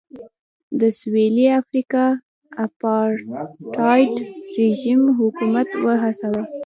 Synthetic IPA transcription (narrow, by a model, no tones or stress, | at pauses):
d̪əsweliafɾikɑ | apɑɾʈɑjʈɾeʒimɦʊkumat̪wəɦasawəl